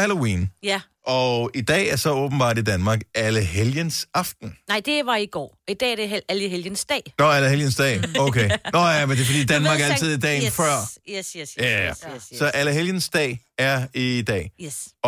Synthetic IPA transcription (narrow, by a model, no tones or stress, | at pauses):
hælo̝ḭːn | ʔɒid̥ɛ̰ːæɐsɒ̽ɔ̽ːb̥n̩b̥ɑ̰̈ːd̥id̥ænmɑ̈ːɡ̥æləɦeljənsɑ̈fd̥n̩nɑɪ̰d̥e̝ʋɑ̈iɡ̥ɒ̰ːid̥ɛ̰ːɐd̥eæləɦeljənsd̥ɛ̰ːnɒæləheljənsd̥ɛ̰ːoʊkʰenɒjæmend̥e̝fɒd̥ḭːd̥ænmɑ̈ːɡ̥æɐælʰið̞ˠid̥ɛ̰ːnfɶɐ̰ | jææsɒ̽ʔæləɦeljənsd̥ɛ̰ːɪ | æɐid̥ɛ̰ː